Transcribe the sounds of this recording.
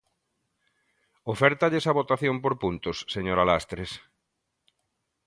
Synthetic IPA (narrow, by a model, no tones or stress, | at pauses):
ofɛɾt̪aʎesaβot̪aθjompoɾpunt̪osseɲoɾalast̪ɾes